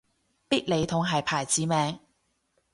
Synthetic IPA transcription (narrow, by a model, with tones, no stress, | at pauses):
piː˥t̚le˨˧jt̪ʰʊ˨˥ŋɦɐ˨jpʰaː˨˩jt͡siː˨˥mɛː˨˧ŋ